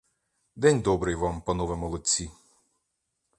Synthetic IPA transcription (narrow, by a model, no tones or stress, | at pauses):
d̪ɛnʲd̪ɔbɾɪjʋampɐnɔʋemɔlˠɔt͡sʲːi